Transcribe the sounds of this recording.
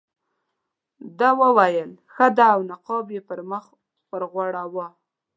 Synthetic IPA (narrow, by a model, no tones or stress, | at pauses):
d̪ɑwəwajəlxəd̪aːwnaqɑbjepəɾməx | pəɾɣwaɽawa